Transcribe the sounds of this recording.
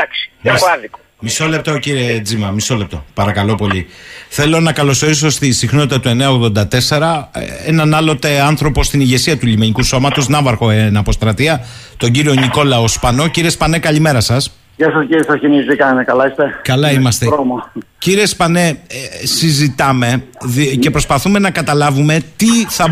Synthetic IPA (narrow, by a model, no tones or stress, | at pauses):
d̪aksoɐðiko | miso̞le̞p̚t̪o̞ciɾie̞d͡zimɐmiso̞le̞p̚t̪o̞pɐɾɐkɐlo̞po̞ʎiθe̞lo̞nɐkɐlo̞so̞ɾis̬o̞st̪isixno̞t̪it̪ɐt̪ue̞neɐo̞ɣðo̞nd̪ɐt̪e̞se̞ɾɐenɐnɐlo̞t̪e̞ɐnθɾo̞po̞st̪iniʝe̞siɐt̪uʎimeɲikuso̞mɐt̪o̞znɐvɐɾxo̞enɐpo̞st̪ɾɐt̪iɐ | t̪oɲɟiɾio̞niko̞lɐospɐno̞ciɾie̞spɐne̞kɐʎime̞ɾɐsɐs | jɐsɐsisɐsciniztikɐnekɐlɐist̪ekɐlɐimɐst̪eɾomo | ciɾie̞spɐne̞sizit̪ɐme̞ce̞pɾo̞spɐθume̞nɐkɐt̪ɐlɐvume̞t̪iθɐ